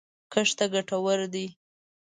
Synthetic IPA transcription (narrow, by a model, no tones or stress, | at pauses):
kəʂt̪aɡaʈawəɾd̪i